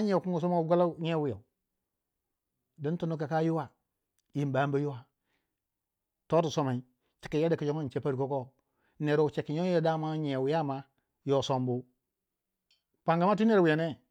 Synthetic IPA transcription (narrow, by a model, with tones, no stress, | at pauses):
a˦ɲ˦e˨ku˦ŋɡu˨s̬o˦ma˦ɡa˦la˦ɲe˦wi˨ja̰˨u˨ | di˦n˦tu˦nu˦ka˨ka˦ju˦wa˨ | ji˨m˨ba˨˦m˦ba˦ju˦wa˨ | to˦tu˨so˦ma˨i˦ | t͡ʃi̥˨kːi˨ja˦da˨ki˨d͡ʒo˦ŋa˦nt͡ʃe˦pa˦ɾko˦ko˦ | ne˨ɾo˨u˨t͡ʃe˨kːi˨ɲo˦o˨da˦˨ma˦ɲe˨wi˨ja˦˨ma˦ | jo˨so˨mbu˦ | pa˨ŋɡa˨ma˦t̬i˦ne˦ɾwi˨ja˨ne˦